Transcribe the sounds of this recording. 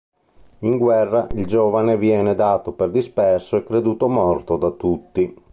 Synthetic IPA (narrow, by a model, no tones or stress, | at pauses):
iŋɡwɛrːaʔild͡ʒoːvanevjɛːned̪aːt̪operd̪ispɛrsoɛkːɾed̪uːt̪omɔrt̪od̪at̪ːut̪ːi